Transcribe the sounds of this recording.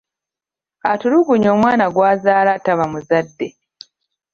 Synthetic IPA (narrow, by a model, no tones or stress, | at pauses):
atuluɡuɲo̞ːmwaːnaɡwaːzaːlataβamuzadːe̞